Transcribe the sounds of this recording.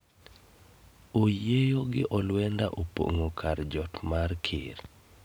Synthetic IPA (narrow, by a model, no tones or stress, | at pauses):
ojejoɡɪʔɔlwɛndaʔopo̰ŋokʰaɾd͡ʒɔtmarkʰɪ̰ɾ